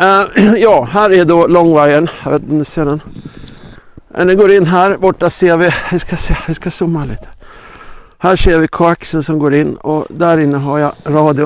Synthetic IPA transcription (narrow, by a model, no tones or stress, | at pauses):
jɑːɦæːɾɛɖɔlɔŋːvaɾənjɑveːt̪nɔmnʉseːɖɛn | mʔɛ̰nd̪ɛɡoːɾɪnːɦæːɾbɔʈːaseːɾvɪɪskaseʋɪskasʊmːaɭḭːt̪ʰə̥ | hæːʂeːɾvɪkʰʊaksənsɔmɡoːɾɪnːɔ̰d̪æɾɪnːəɦaɾjaɾɑːd̪ɪʊ